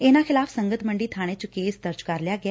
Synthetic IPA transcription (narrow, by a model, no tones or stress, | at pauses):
eːnãːkʰɪlaːpʰsəŋɡət̪məɳɖiːt̪ʰaːɽ̃et͡ʃkeːsd̪əɾd͡ʒkəɾljaːɡɪa